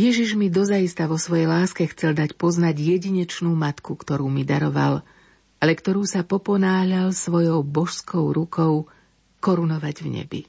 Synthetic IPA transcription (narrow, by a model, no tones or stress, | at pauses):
jɛʒiʒmid̪ɔzajist̪aʋɔsʋɔjɛjlaːskɛxt͡sɛld̪acpɔznaɟjɛɟiɲɛt͡ʃnuːmat̪kukt̪ɔɾuːmid̪aɾɔʋa̰l | alɛkt̪ɔɾuːsapɔpɔnaːɦʎalsʋɔjɔʊbɔʃskɔʊɾukʰɔʊ | kɔɾunɔʋaɟvɲɛ̰bḭ